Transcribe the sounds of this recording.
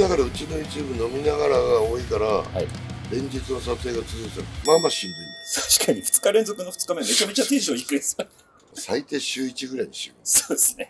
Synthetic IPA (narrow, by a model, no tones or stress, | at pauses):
akaɾaɯ̟t͡ɕinojɯːt͡ɕɨːbɯno̞mʲinaɣaɾaɡaoikaɾaha̰iɾẽ̞ɲ̟d͡ʑit͡sɨno̞sase̞ːɡat͡sɨzɨkt̪aɾɯmamaɕĩmbɯ̃nd̪at̪ʰaɕi̥kʰaɲ̟iɸɯ̟̥t͡sɨ̥kaɾẽ̞nzo̞kɯ̟no̞ɸɯ̥t͡sɨ̥kameme̞t͡ɕame̞t͡ɕat̪ẽʑoːikɯ̟esɨ̥ | sait̪e̞ːɕɨːit͡ɕiɡɯ̟ɾaiɲiɕiɡɯsoːd̪esɨne̞